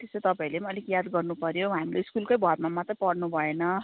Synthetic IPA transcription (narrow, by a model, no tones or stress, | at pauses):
t̪eset̪ʌpãĩlemʌlikjad̪ɡʌrnupʌɾjoɦamileiskulkojbʱʌrmamʌt̪rʌpʌɽnubʱʌenʌ